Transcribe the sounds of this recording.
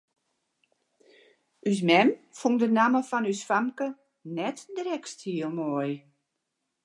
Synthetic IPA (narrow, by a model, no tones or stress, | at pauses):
ʔys̬mɛmfuŋdənaməfɔnysfamkə | nɛtdrɛkstʰiəlˠmɔj